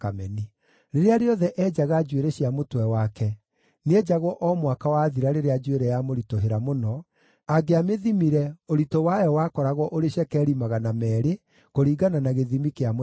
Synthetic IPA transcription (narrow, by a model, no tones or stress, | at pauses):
kamɛni | ɾeɾeaɾeɔðɛʔɛd͡ʑaɣad͡ʒweɾeɕjamotwɛwakɛ | need͡ʒaɣwɔʔɔmwakawaðiɾaɾeɾead͡ʒweɾɛjamoɾitoɦeɾamonɔ | aɡeameðimiɾɛoɾitowajɔwakɔɾaɣwɔʔoɾeɕɛkɛːɾimaɣanamɛːɾe | koɾiːɡananaɣeðimikeam